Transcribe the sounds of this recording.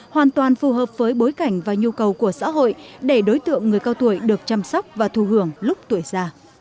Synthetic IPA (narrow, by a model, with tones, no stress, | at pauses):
hwaː˨˩nt̪waː˨˩nfu˨˩ɦəː˨˩p̚vəː˨˦jɓo˨˦jka˧˩jŋ̟vaː˨˩ɲu˧kə˨˩wku˧˩əsa̰ː˧˥ɦo̰˧˨jɗe˧˩ɗo˨˦jt̪ɨ̰˧˨əŋːɨ˨˩əjkaː˧wt̪u˧˩əjɗɨ˨˩ək̚t͡ɕa˧msɔ˦˥wk͡p̚vaː˨˩t̪ʰu˧˩ɦɨ˧˩əŋlʊ˦˥k͡p̚t̪u˧˩əjzaː˧